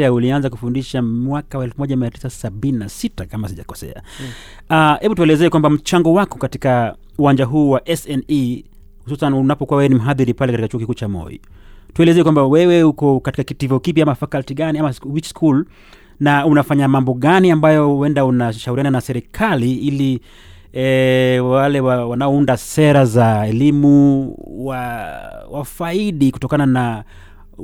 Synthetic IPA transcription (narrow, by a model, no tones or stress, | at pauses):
aulianzakufundiʃamwakawaɛlfumɔʄamiati̥sasaɓininasitakamasiʄa̰kɔ̥sɛ̰a̰ | ahɛɓutuɛlɛzɛːkwambam̩t͡ʃaŋɡɔwakɔ̥kati̥ka | uwaɲd͡ʒaɦuːwaʔɛsɛni | hususanunapɔkuwawɛwɛnim̩ɦaðiɾipalɛkatikat͡ʃuɔkikuːt͡ʃamɔ̰jḭ | tuɛlɛzɛkwambawɛwɛukɔkati̥kakitivɔkipjaamafakaltiɠaniamawit͡ʃskʰul | naunafaɲamambɔɠaniambajɔuwɛndaunaʃauɾiananasɛɾikʰaliili | alɛwawanaɔundasɛɾazaɛlimuwa | wafaiɗiku̥tɔkanana